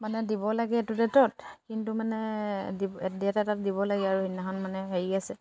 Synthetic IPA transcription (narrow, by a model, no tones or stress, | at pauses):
manɛdibɔlaɡɛːtudɛtɔtkintumanɛdidɛtatat̚diβɔlaɡɛaɹuhinːaxɔnmanɛɦeɹiasɛ